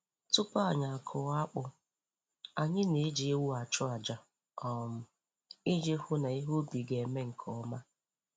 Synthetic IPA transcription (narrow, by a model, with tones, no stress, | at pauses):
tʊ˦pa˦a˨ɲa˨a˨kʰʊ˨˦a˦k͡pʊ˦ | a˨ɲɪ˦ne˨˦d͡ʒi˨e˦wu˦a˨t͡ʃʊ˦a˨d͡ʒa˨ | ɔ˨m̩˦˨ | i˦d͡ʒe˦hʊ˦na˨i˦ɦo˦bi˨ɡe˨me˦ŋ̩˨kʰɔ˨˦ma˦